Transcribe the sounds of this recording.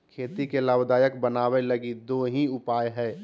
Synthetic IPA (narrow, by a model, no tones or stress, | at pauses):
kʰeːt̪ikelaːbd̪aːjəkbənaːweləɡid̪oːɦĩʊpaːjɦɛː